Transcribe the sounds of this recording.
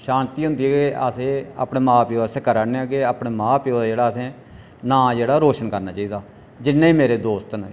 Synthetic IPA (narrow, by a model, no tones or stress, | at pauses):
ʃaːnt̪iːɦʊ̃nd̪iːɛːɡeʔəsẽːa̰ːpneːmaːpiːseːkəɾaːneaːɡeaːpɽeːmãːpioːad͡ʒeːɽaːəsẽː | nãːd͡ʒeːɽaːɾoːʃənkəɾnaːt͡ʃaːiːd̪aː | d͡ʒɪnːeːiːmeːɾeːd̪oːst̪n